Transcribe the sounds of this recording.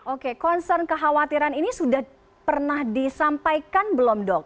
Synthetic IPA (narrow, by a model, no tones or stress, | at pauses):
ʔokekɔnsərnkəɦawat̪iɾaninisudah | pərnahdisampajkanbəlɔmdɔk̚